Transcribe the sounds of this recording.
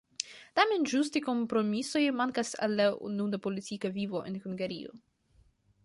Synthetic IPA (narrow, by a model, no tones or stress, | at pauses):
tame̞nʒustiko̞mpɾo̞miso̞jmaŋkasa̰lːaṵnud̪apolitt͡sikavivo̞ʔḛnhuŋɡaɾio̰